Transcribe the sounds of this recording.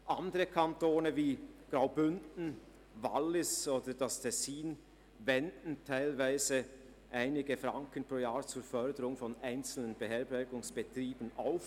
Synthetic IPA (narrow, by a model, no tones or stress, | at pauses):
ʔandəʁəkʰantoːnəviːɡ̥ʁaʊbʏndn̩ | va̰lːɪsoːd̥əd̥astʰɛsiːn | vɛndn̩tʰaɪlvaɪzə | ʔaɪnɪɡəfʁaŋkənpʁoːjaːɐt͡suːfœɐdəʁʊŋfɔnaɪnt͡sl̩nənbəɦɛɐbɛɐɡʊŋsb̥ətʁ̥iːb̥ənʔaʊf